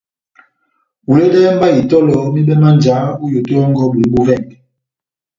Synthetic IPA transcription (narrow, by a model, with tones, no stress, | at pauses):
wu˨le˦dɛ˦m˦ba˦i˨tɔ˦lɔ˨˦mi˦ɓɛ˦ma˦nd͡ʒa˨˦u˦jo˨to˦ɔ˦ŋɡɔ˦ɓwi˨˦ɓu˦vɛ˦˨ŋ˨